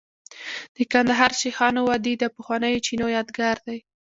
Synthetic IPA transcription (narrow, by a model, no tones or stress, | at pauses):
d̪̥əkand̪aɦɑɾʃixɑnowad̪id̪əpəxwanəjot͡ʃinojɑd̪ɡaɾd̪aj